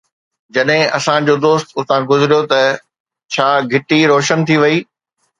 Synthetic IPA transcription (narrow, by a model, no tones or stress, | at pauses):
d͡ʑɐɗɦɪ̃ɐsãd͡ʑoːd̪oːst̪ʊt̪ãɡʊzɪɾijot̪ɐ | t͡ɕʰaːɡʱɪʈiɾɔːʃənt̪ʰiʋɐiː